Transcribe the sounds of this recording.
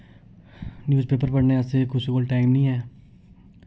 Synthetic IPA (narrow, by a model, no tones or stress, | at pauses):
njuːzpeːpəɾpəɽneasekʊsikoːlʈaːɪmnĩːɛː